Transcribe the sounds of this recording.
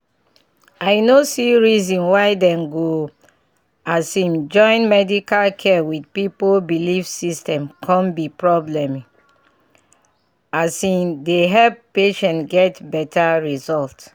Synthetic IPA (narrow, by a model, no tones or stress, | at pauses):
aɪnosiɹizɔ̃nwaɪdɛ̃mɡo | asĩmd͡ʒɔ̃ɪ̃nmɛdikalkʰɛwidpipolbilifsistɛ̃mkʰɔ̃nbipɹɔblɛ̃mi | asĩndeɦɛppeʃɛ̃ntɡɛtbɛtʰaɹizɔlt